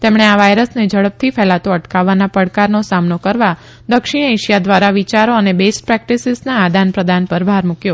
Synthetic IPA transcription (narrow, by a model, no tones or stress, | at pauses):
t̪emɳeaʋajɾəsned͡ʒəɽəp̚t̪ʰifɛlat̪oəʈkaʋːanapəɽkaɾnosamnokəɾʋa | d̪əkʃiɽ̃ejʃijad̪ʋaɾaʋit͡ʃaɾoənebesʈ̚pɾɛk̚ʈisɪznaːd̪ʱanpɾəd̪ʱanpəɾbʱaɾmukjo